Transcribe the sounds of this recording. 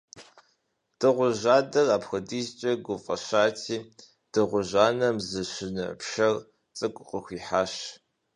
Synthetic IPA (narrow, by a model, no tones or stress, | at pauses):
d̥ɨʁʷʊʒaːdɐraːpxʷɐdiːzt͡ʃʼɐɡʷʊfʼɐɕaːtʰiː | d̥ɨʁʷʊʒaːnɐmzɨɕɪnɨ̰pʃɐr | t͡sʼɨkʷʼʊqəxʷiːħaːʃ